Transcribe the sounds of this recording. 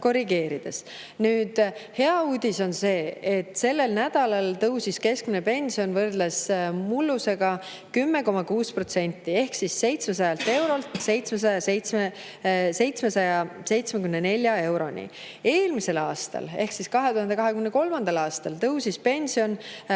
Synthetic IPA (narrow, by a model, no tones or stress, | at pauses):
ko̞riɡe̞ːɾid̪̥es | nyːd̪̥he̞ɑuːd̪̥ʲiso̞nse̞ːet̪ːˑse̞lːe̞lnæd̪̥ɑlɑlt̪ɤwsiske̞skminepe̞nʲsio̞nvɤrd̪lesmulːuse̞ɡ̥ɑ | kymːe̞ko̞mɑkuːspro̞t̪se̞nʲt̪ːie̞hksisːe̞jt̪smes̬ɑjɑlt̪ːe̞wɾo̞lt̪se̞jt̪smes̬ɑjɑsejt̪sme | se̞jt̪smesɑjɑse̞jt̪smekymnene̞lʲːjɑe̞wɾo̞nʲḭ | e̞ːlmise̞lɑːst̪ɑ̰le̞hksiskɑɦe̞t̪uhɑnd̪ekɑɦekymeneko̞lmɑnd̪̥ɑlɑːst̪ɑlt̪ɤwsispe̞nʲsio̞n